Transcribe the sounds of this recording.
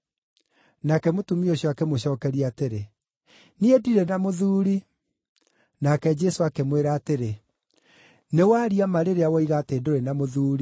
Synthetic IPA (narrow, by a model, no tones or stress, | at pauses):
nakɛmotumioɕ̬jɔakɛmoɕɔːkɛɾiateɾe | niediɾenamoðuːɾi | nakɛd͡ʒɛsoakemweɾaːteɾe | newaːɾiamaɾeɾeawɔiɣaːteːdoɾenamoðuːɾi